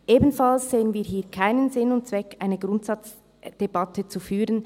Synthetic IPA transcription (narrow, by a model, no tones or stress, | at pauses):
ʔeːbn̩fɑlsz̥eːənviːɐɦiːɐkʰaɪnənzɪnʊnt̚t͡sv̥ɛkaɪnəɡʁʊntsɑt͡s | d̥ebɑtʰət͡sufyːɾən